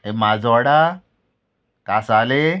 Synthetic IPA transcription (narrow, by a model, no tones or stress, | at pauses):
emazɔːɽa | kasaːle